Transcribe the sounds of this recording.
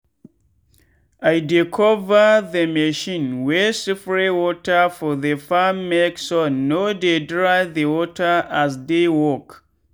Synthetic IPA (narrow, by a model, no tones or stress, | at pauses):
ajdikʰɔvəðəmeʃĩnwɛsifɹewɔtəfɔðəfamːeksɔnːodedɹaɪðəwɔtʰəasdewɔk